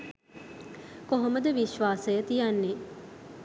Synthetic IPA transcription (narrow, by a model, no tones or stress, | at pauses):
koɦoməd̪əʋiʃʋaːsəjət̪ijanːe